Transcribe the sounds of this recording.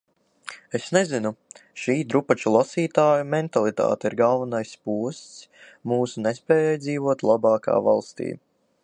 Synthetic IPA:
esnɛzinuʃiːd̪ɾupat͡ʃulˠasiːt̪aːjumɛnt̪alˠit̪a̰ːt̪iɾɡalˠvanajspuɔst̪s | muːsunɛspɛːjɛjd̪ziːvuɔt̪lˠabɑːka̰ːva̰lˠst̪ḭː

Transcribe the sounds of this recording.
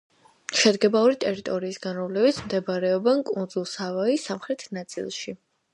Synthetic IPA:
ʃɛd̪ɡɛbauɾit̪ʼɛɾit̪ʼɔɾiːsɡanɾɔmlɛbit̪sʰmd̪ɛbaɾɛɔbɛnkʼund̪zulˠsavaisamχɾɛt̪ʰnat̪sʼḭlˠʃi

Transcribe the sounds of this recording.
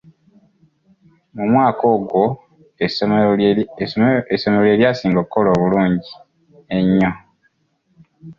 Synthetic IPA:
mumwaːko̞ːɡwo̞ | eso̞meloe̞ːɾjaːsiːŋɡokːolo̞ːβuluːɲɟi | eɲːo

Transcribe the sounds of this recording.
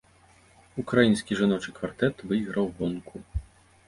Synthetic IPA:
ukɾajinsʲkʲiʐanɔt͡ʂɨkvart̪ɛt̪vɨjɣɾɐwbɔnkʰu

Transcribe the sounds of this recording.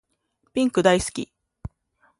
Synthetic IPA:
pʲĩŋkɯ̟d̪aisɨ̥kʲḭ

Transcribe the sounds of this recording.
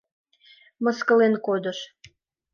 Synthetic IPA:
mə̆skəlenkod̪ə̆ʃ

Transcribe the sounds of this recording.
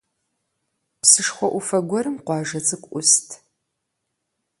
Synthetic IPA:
psɨʂχʷɔʔʷʊfɐɡʷɔɾɨmqʷɑːʒɐt͡sʼɨkʷʼʊstʰ

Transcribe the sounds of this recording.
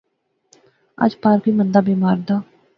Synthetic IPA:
ə̰d͡ʒpaːɾkiːmənd̪aːbeːmaːɾd̪aː

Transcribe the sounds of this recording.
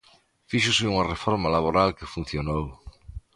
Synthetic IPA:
fiʃ̬ʊsɪuŋarefoɾmalaβ̞oɾalkefun̟θjonow

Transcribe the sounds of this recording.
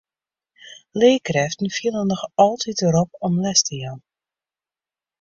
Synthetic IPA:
leːkrɛftn̩filˠənːɔχɑlˠtʰitəɾɔpɔmlɛstəjan

